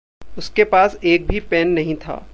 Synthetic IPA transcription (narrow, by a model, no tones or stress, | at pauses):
ʊskepaːseːk̚bʱipɛːnːɐɦĩt̪ʰa̰ː